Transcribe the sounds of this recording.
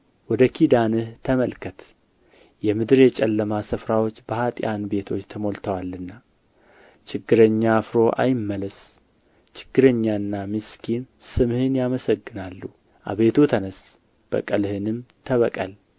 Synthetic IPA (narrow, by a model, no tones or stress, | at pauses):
wɔd̪əkʰid̪anɨht̪ʰəməlkʰət̪ | jɛmɨd̪ɨɾjɛt͡ʃʼɛlːəmasɨfɾawo̞t͡ʃːbəhat̪ʼjanbe̞t̪ʰo̞t͡ʃːt̪ʰəmo̞lt̪ʰəwalːɨnːa | t͡ʃʰɪɡːɨɾəɲːafɾo̞ʔa̰jɪmːələs | t͡ʃɪ̥ɡ̥ːɨɾəɲːaɨnːamɨskʰinsɨmhɨnjaməsəɡːɨnalːu | ʔa̰βe̞t̪ʰut̪ʰənəs | b̥ə̰kʼəlhɨnɨmt̪ʰəβəkʼə̰l